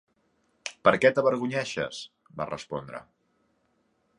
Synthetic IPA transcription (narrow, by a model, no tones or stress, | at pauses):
pəɾkɛt̪əβəɾɣuɲɛʃə̰s | ba̰rə̰spɔ̰nd̪ɾə̰